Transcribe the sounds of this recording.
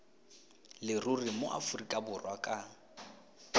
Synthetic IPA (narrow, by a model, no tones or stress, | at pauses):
lɪrurimoʔa̰furikʼabʊrwakʼa